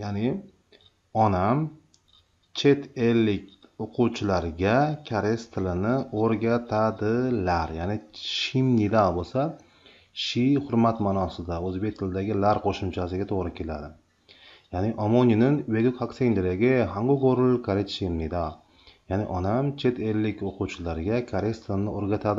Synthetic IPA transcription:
janɪ | ɒnam | t͡ʃʰe̞t̪ʰelːɪk̪̚ʲoqʰuwt͡ʃʰɪlaɾɡʲakʲʰaɾest̪ʰɪlɪnɪoɾɡʲat̪ʰad̪ɪlaɾjanɪʃimnid̪abosa | ʃihʊɾmat̪manɒsɪd̪aɵzbe̞k̚ʲt̪ʰɪlɪd̪aɡʲɪlaɾqʰoʃʊmt͡ʃʰasɪɡʲat̪ʰoʁɾɪkʲʰe̞la̰d̪ɪ | janɪʔɒmonɪnɪnweɡʲɪkʰakseŋʲd̪eɾaɡʲɪhaŋɡoɡoɾlkʰaɾet̪ʃimnid̪a | janɪʔɒnamt͡ʃʰe̞t̪ʰelːɪkʲoquwt͡ʃʰɪlaɾɡʲakʲʰaɾest̪ʰɪlɪnɪoɾɡʲat̪ʰad̪ɪ

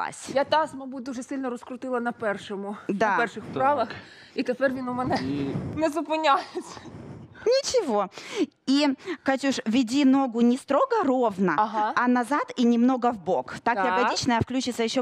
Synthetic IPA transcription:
a̰sʲjat̪asmɐbut̚ʲd̪uʐɛsɪlʲnɔɾɔskɾʊt̪ɪlˠɐnɐpɛrʂɔmʊd̪apɛrʃɪxpɾɑʋɐx | it̪epɛrʋʲinɔmɛnɛnɛzʊpɪnʲajɪt͡sʲːɐ̥nʲɪt͡ɕɪvo̞ | ikɐt͡ɕʲuʂvʲɪdʲino̞ɡʊnʲɪst̪ɾoɡərovnɐɦɑɐnɐzat̪inʲɪmno̞ɡəvbokt̪akjɐɡɐdʲit͡ɕnɐjəfklʲut͡ɕɪt̪səjɪɕːo

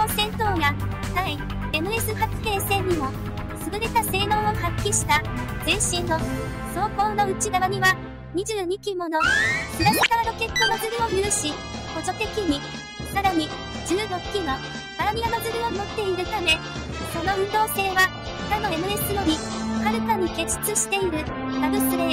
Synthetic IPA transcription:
osẽ̞nso̞ːɡasaĩ | e̞mɯ̟esɨhat͡sɨ̥ke̞ːsẽ̞ɲ̟ːimo̞ | sɨɡɯ̟ɾe̞t̪ase̞ːno̞ːohakʲːiɕi̥t̪aseːɕĩnːo̞ | so̞ːko̞ːno̞ɯ̟t͡ɕiɡaβaɲ̟iβa | ɲ̟iʑɨːɲ̟ikʲimo̞nokɯnamʲisaaɾo̞ke̞k̪ːonozɨɾɯ̟o̞jɯɾɯ̟ɕi | ko̞d͡ʑo̞t̪e̞kʲiɲi | saɾaɲ̟i | d͡ʑɨːɾo̞kʲːino | paɾamʲiamazɨɾɯ̟o̞mo̞t̪ːe̞iɾɯ̟t̪ame̞ | so̞no̞ɯ̟nd̪o̞ːse̞ːβa | t̪ano̞e̞mɯ̟e̞sɨno̞ɲi | haɾɯ̟t̪aɲ̟ike̞ɕi̥t͡sɨɕi̥t̪e̞iɾɯ̟ɡ̪abɯ̟sɨɾe

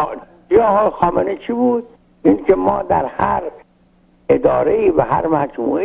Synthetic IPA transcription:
jɑːhxɒːmenit͡ʃʰibuːd̪̚ | ʔinkʰemɒːd̪æɾhæɾ | ed̪ɒ̰ːɾeiːvæɦæ̰ɾmæd͡ʒmṵːʔe

